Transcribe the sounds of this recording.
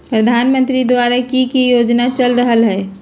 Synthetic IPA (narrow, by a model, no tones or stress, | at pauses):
pɾəd̪ʱaːnmə̃nt̪ɾid̪waːɾakikijoːd͡ʒnat͡ʃəlɾəɦəlɦɛː